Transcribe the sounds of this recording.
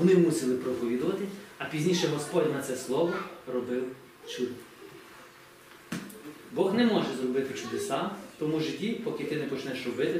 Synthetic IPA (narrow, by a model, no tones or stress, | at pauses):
ɔnɪmusʲɪlˠɪpɾɔpɔʋʲid̪ʊʋɐt̪ɪɐpʲizʲnʲiʃɛmɔspɔdʲnɐt̪sɛslˠɔʋɔrɔbɪw | t͡ʃud̪ | bɔɣnɛmɔʒɛzrɔbɪt̪ɪt͡ʃʊd̪esɑt̪ɔmuʒɪtʲipɔkɪt̪ɪnɛpɔt͡ʃnɛʃrɔbɪt̪ɪ